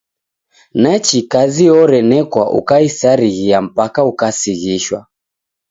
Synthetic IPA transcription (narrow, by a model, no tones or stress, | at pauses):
nat͡ʃikaziɔɾɛnɛkwaʔṵkaisaɾiɣiam̩pakaukasiɣiʃwa̰